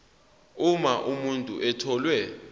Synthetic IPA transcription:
umaʔumuntʼṵʔɛtʰɔlwɛ

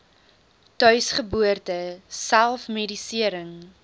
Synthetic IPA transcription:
tœɥsχəbuərtəsælˠfmedisiəɾəŋ

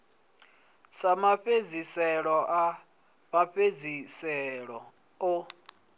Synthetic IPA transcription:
samaɸed͡zisɛɺɔʔa | maɸed͡zisɛɺɔ | o

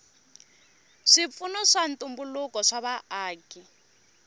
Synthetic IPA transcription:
ʂip̪funɔʂant̪umbulukɔʂaβaaːki

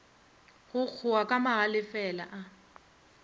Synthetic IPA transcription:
ɣʊk͡xʰʊakʼamaɣalɪfɛlaʔa

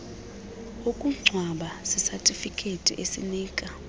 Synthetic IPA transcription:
okʼuŋ͡ǀʱwaɓasisatʼifikʰʼetʼḭʔesḭniːkʼa

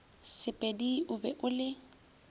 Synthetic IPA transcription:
sɪpʼediʔʊbɛʔʊlɪ

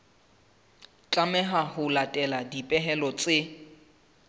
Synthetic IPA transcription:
t͡ɬʼamɛɦahʊlatʼɛladipʼɛɦɛlɔt͡sʼɪ

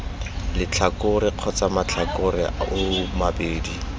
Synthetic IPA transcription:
lɪt͡ɬʰakʊɾɪq͡χʰɔt͡samat͡ɬʰakʊrɪ̰ʊʊmabeːdi

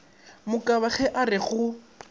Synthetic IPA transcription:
mʊkʼaβaχɛʔarɪɣʊ

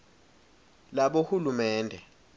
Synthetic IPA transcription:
laɓohulumɛːndʱɛ

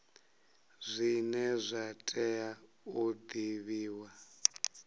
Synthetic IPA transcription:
zʷinɛzʷatʼɛa | ud̪iβiːwa

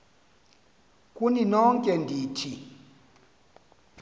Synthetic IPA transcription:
kʼuninɔŋkʼɛndʱitʰi

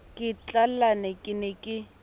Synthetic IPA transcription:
kʼɪt͡ɬʼallanɛkʼɪnɛkʼɪ

